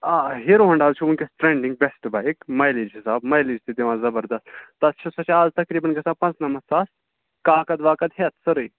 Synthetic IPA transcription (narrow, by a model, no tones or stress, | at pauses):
aɦeɾoɦɐɳɖaːzt͡ʃʰuunkesʈɾeɳɖĩŋɡ̚bɛsʈbaikmɐjlid͡ʒɦisaːbmɐjlid͡ʒt̪ʰid̪eʋãzɐbəɾd̪ɐsʈt̪ːɐt̪ːt͡ʃʰɐsɐt͡ʃeaːzt̪ɐkɾiːbɐnkɐsaːpɐ̃nt͡snɐmɐssaːs | kaːkɐd̪ʋaːkɐd̪ɦet̪sɐɾɨj